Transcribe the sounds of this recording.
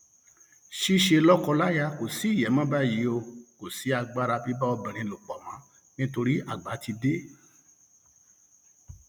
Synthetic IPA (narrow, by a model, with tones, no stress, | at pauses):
ʃi˦ʃe˧lɔ˦kɔ˧la˦ja˧ko˨si˨˦i˦˨jɛ˨˦mã˦ba˦˨ji˨˦o˧ko˨si˨˦a˧ɡ͡ba˦ɾa˧bi˨˦ba˦ɔ˧bĩ˨ɾ̃ĩ˧lo˨k͡pɔ˨mã˨˦ | nĩ˦to˧ɾi˦a˦˨ɡ͡ba˨˦ti˧de˦